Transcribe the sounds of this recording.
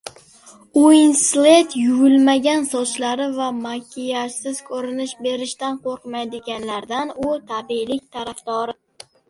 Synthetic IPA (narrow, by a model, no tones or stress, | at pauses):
uɪnslet̪jʊɡʊlmaɡʲansɒt͡ʃlaɾɪvamakʲʰijasɪz̥kʲʰɵɾɪnɪʃbe̞ɾɪʃt̪anqʰoɾqmajd̪ɪɡʲanlaɾd̪anʊt̪ʰabilɪkʲt̪ʰaɾafd̪ɒɾɪ